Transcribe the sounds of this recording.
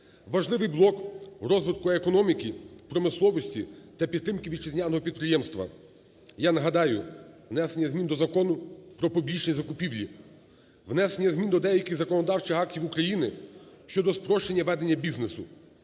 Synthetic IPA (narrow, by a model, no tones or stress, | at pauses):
ʋɐʒlˠɪʋɪjblˠɔkɾɔzʋɪd̪̚kʊekɔnɔmʲikʲipɾɔmɪslˠɔʋɔsʲtʲit̪ɐpʲid̪ɾɪmkɪʋʲid̪t͡ʃɪzʲnʲanɔɦɔpʲid̪̚pɾɪjɛmst̪ʋɐ̰ | janɐɦɐd̪ɑjʊʋnɛsenʲːɐzʲmʲind̪ɔzɐkɔnʊpɾɔpɔbʲit͡ʃnʲizɐkʊpʲiwlʲi | ʋnɛsenʲːɐzʲmʲind̪ɔd̪ɛjɐkʲɪɣzɐkɔnɔd̪ɑwt͡ʃɪxɑk̚tʲiwukɾɐjinɪʃt͡ʃɔd̪ɔspɾɔʃt͡ʃenʲːɐʋɛd̪enʲːɐbʲiznesʊ